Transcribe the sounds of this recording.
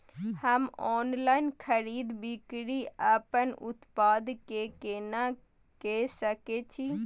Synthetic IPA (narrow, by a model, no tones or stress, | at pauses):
həmɔːnlaɪnkʰəɾiːd̪bikɽiəpənṵt̪pad̪kekena | kesəket͡ʃʰi